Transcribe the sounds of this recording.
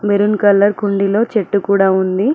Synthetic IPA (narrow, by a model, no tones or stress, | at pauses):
beɾunkɐlːɐɾkuɳɖilo̞ːt͡ʃeʈːukuːɽaːund̪i